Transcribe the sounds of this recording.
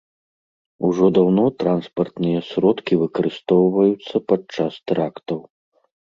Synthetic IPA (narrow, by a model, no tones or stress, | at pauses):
uʐɔd̪awnɔt̪ɾanspɐrt̪nɨjɐsʲɾɔt̪kʲivɨkɐɾɨst̪ɔwvɐjut̪sːɐpat͡ʂast̪ɾakt̪ɐw